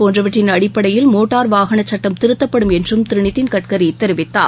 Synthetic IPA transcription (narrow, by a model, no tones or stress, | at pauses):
poːndrɐʋɐʈrːɪnɐɽɪpːɐɽɐjɪlmoːʈːaːɾʋaːɣɐɳɐt͡ʃːɐʈːɐmt̪ɪɾɯt̪ːɐpːɐɽɯmɛndrɯmt̪ɪɾɪɳɪt̪ːɪnkɐʈ̚kɐɾit̪ːɐɾɯʋɪt̪ːa̰ː